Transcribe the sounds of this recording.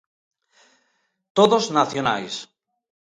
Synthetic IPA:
t̪oðoznaθjona̰js

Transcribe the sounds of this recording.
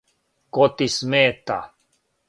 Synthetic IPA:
kot̪ismeːt̪a̰

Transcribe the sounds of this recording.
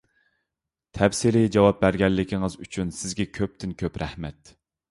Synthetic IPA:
t̪ʰɛpsɪɾɪd͡ʒɑwɑp̚bæɾɡʲɛlːɪkʲʰɪŋɨzyt͡ʃʰynsɪzɡʲɛkʲʰøp̚t̪ʰɪnkʲʰøpɾɛhmɛt̪

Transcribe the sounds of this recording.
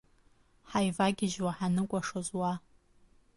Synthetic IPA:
ħajvaɡʲɪʒwaħanɨkʷʼaʂozwa

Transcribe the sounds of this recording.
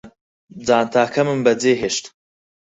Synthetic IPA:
d͡zaːnt̪ʰaːkʰɐmɨmbɐd͡zeːɦeːʃt̪

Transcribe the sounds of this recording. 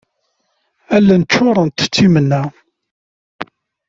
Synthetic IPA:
ælːænt͡ʃːʊɾˤənt̪t͡sːimənːæ

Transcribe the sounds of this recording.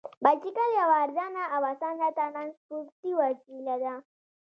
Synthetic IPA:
bat͡ʃikaljawaːɾd̪anaːwasanat̪ananspuɾt̪iwakilad̪a

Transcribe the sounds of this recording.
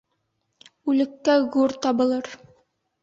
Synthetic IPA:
ʉlɘ̆kːæɣuɾt̪ɑbɤ̆lˠɤɾ

